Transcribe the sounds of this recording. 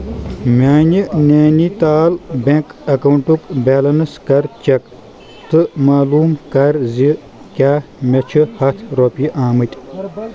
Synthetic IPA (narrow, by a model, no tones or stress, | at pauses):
mʲaːnʲinʲaːnit̪aːlbekɐkɐwuɳʈukbeːlɐnɨskɐɾt͡ʃɐk | t̪ɨmaːluːmkɐɾzi | kʲaːmʲɐt͡ʃʰɨhɐt̪ʰɾopiʔaːmɨtʲ